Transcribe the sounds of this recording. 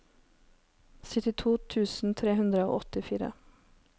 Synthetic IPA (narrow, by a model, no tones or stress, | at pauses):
sɪt̪ɪt̪ʰuːt̪ʰʉːsn̩t̪ʰɾeːhʉnd̪ɾəo̰ːʔɔt̪ɪfiːɾə̰